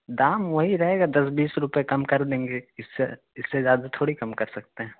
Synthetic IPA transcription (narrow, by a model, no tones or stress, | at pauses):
d̪aːmʋɐɦiɾɐɦeːɡad̪ɐs̬biːsɾʊpjekɐmkɐɾd̪ẽːŋɡeɪsːḛ | ɪsːezjaːd̪at̪ʰoːɽikɐmkɐɾsɐk̚t̪eɦɛ̃ː